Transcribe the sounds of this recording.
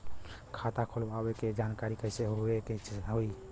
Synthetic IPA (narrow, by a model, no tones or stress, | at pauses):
kʰat̪akʰolbabeked͡ʒankaɾikəɪseɦoeket͡ʃɦoi